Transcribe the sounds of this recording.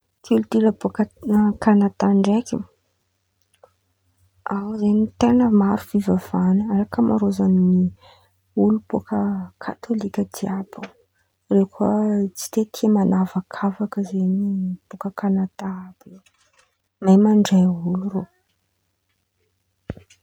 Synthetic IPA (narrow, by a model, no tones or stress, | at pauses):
kʰilut̪iləbukəkanat̪aɳɖ͡ʐekʲḭ | awzenit̪enəmaɾuv̥ivav̥anəaɾakəmʔa̰ɾozanini | ulupukəkʰat̪ʰolikʲəd̪iapə | rewkuat͡si̥t̪et̪ʰiəmanavakʰavakəzenib̥ukəkanat̪aabi̥ | majmaɳɖ͡ʐejuluɾo